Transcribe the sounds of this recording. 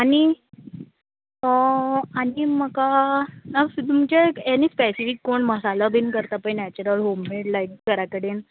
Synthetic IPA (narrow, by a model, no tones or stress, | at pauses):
aɽ̃i | əañiməkanət̪um̤t͡ɕeɛnispɛsifikːoɳməsalabinkəɾt̪apəjnɛt͡ɕəɾəlɦomːeʈlajkkəɾakəɽiːn